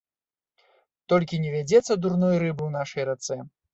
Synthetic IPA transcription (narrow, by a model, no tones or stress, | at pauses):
t̪ɔlʲkʲinʲɛvʲad͡zʲɛt̪sːɐd̪urnɔjɾɨbɨwn̪aʂɐjrat̪sɛ